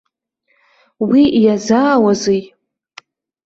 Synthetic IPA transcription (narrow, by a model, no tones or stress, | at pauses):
wijazaːwazej